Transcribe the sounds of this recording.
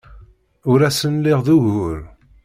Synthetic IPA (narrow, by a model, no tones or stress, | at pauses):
ʊɾæsənlɪʁðuʝʊɾ